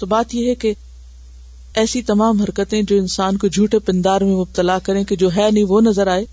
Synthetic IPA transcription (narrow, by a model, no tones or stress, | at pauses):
t̪ɐbaːt̪iəɦeke | ɛːsit̪ɐmaːmɦɐɾkət̪ẽd͡ʑoːɪnsaːnked͡ʑʱuːʈepɪ̃nd̪aːɾmẽmʊb̚t̪əlakɐɾẽked͡ʑoːɦɛːnĩʋonɐzəɾaːɦeː